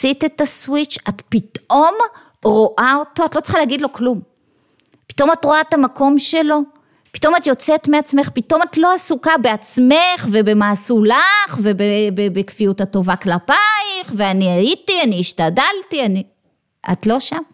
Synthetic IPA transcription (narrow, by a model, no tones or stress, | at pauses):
sitetaswit͡ʃatpitʔo̞m | ʁo̞ʔao̞to̞atlo̞t͡se̥χaleaɡidlo̞klum | pi̥to̞matʁo̞aetamako̞mʃe̞lo̞ | pi̥to̞matjo̞t͡setmeat͡sme̞χpitʔo̞matlo̞asukabe̞at͡smeχve̞be̞maːsulaχve̞bebebekfijutato̞vaklapajχveaniajitianiːʃtadaltiani | ʔa̰tlo̞ʃam